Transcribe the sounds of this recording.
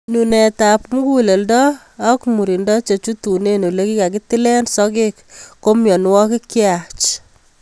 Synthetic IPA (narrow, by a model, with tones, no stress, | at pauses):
nu˨nɛ˨ta˨pmu˦ku˦le˨ldɔː˦ | kmu˨ɾi˨ndɔ˦t͡ʃe˨t͡ʃu˦tu˨ne˦no˨le˦ki˦ka˨ki˦ti˦lɛ˦nsɔke˦kːo˦mjɔ˨n˦wɔ˦kɪ˦kjat͡ʃ